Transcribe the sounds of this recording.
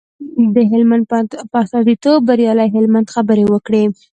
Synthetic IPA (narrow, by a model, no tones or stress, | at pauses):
d̪əɦɪlmand̪̚pəast̪ɑzit̪ob̚ːaɾjɑlajɦɪlmand̪xabəɾewəkɽe